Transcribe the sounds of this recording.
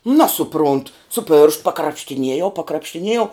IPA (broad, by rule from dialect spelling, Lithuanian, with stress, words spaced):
ˈnɑːsʊprʊnt sʊ pʲeːrʃt pɐkrɐpʲʃʲtʲɪˈnʲiɛjɛʊ pɐkrɐpʲʃʲtʲɪˈnʲiɛjɛʊ